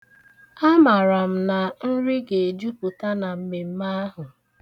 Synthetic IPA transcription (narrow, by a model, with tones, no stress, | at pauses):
a˦ma˨ɾa˨m̩˨na˨n̩˦ɾɪ˦ɡe˨d͡ʒu˦pʊ˨ta˦na˨m̩˦me˨m̩˦ma˦ɦʊ˨